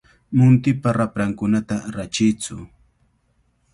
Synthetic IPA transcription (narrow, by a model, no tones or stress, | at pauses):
mʊnt̪ɪpaɾapɾaŋkʊnat̪aɾat͡ʃɪjt͡sʊ